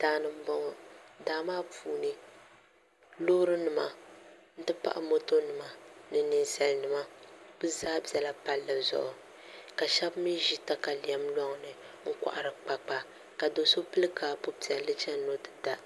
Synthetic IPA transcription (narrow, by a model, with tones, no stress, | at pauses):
d̥aː˨nɨ˦m̩˦bɔ˦ŋɔ˦daː˨˦maː˦puː˨nɨ˦ | lo˦ɾɨ˦nɨ˨ma̰˨n̩˦tɨ˦pa̰˦ʔa̰˨mo˦to˦nɨ˨ma˦nɨ˨nɨ˨nsɛ˨lnɨ˨ma˦b̥ɨ˦zaː˦bi˨ɛ˨la˦pa˦lːɨ˨zʊ̰˨ʔʊ˨ | ka˨ʃɛ˦bmi˦ʒi˦ta˦ka˨li˨ɛ˦mlɔ˦ŋ˦nɨ˨ | ŋ̩˦kʷa̰˨ʔa˨ɾɨ˨k͡pa˨k͡pa˦ | ka˨do˨so˦pɨ˦lɨ˦kaː˨po˦pi˨ɛ˨lɨ˦t͡ʃɛ˦no˦dɨ˦da˦